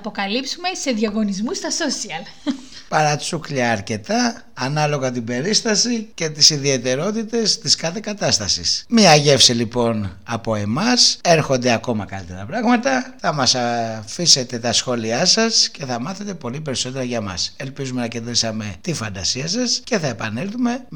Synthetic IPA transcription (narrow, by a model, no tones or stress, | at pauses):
ɐpo̞kɐlipsume̞se̞ðʝɐɣo̞nizmust̪ɐso̞siɐl | pɐɾɐt͡sukʎɐːɾce̞t̪ɐː | nɐlo̞ɣɐt̪̬ibe̞ɾist̪ɐsice̞t̪isiðie̞t̪e̞ɾo̞t̪it̪e̞st̪iskɐθe̞kɐt̪ɐst̪ɐsḭsmiɐʝe̞fsilipo̞nɐpo̞e̞mɐse̞ɾxo̞nd̪eɐko̞mɐkɐlit̪e̞ɾɐpɾɐɣmɐt̪ɐθɐmɐsɐfise̞t̪e̞t̪ɐsxo̞liɐsɐsce̞θɐmɐθe̞t̪e̞po̞lip̬e̞ɾiso̞t̪e̞ɾɐʝɐmɐ̰se̞lpizume̞nɐcend̪ɾisɐme̞t̪ifɐnd̪ɐsiɐsɐsce̞θɐe̞pɐne̞lθume̞